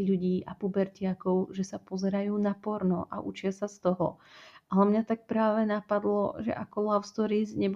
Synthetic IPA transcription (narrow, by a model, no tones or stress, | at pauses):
ʎuɟiːʔapubɛɾcɪakɔʊʒɛsapɔzɛɾajuːnapɔɾnɔʔa̰ʔut͡ʃɪasast̪ɔɦɔ̰alɛmɲat̪ak̚pɾaːʋɛnapad̪lɔ̰ʒɛ̰ʔakɔlaʊst̪ɔɾizɲɛb